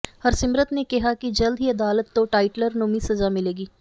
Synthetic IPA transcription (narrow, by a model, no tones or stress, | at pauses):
həɾsɪmɾət̪neːkɪɦaːkɪd͡ʒəld̪ɦiːəd̪aːlət̪ːõːʈaːɪʈləɾnomiːsəzaːmɪleːɡiː